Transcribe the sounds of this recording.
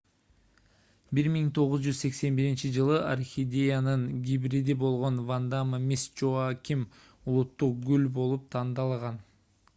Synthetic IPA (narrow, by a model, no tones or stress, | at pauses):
biɾmiŋt̪ʰo̞ʁuzd͡ʒyzse̞kse̞nbiɾint͡ʃid͡ʒɯlˠɯʔarxʲidʲe̞janɯŋɡʲibɾid̪ibo̞lˠʁo̞nvand̪aməmʲisd͡ʒoakʲim | ulˠut̪ːuq̚ɡʉlbo̞lˠup̚t̪ʰɑnd̪ɑlˠʁɑn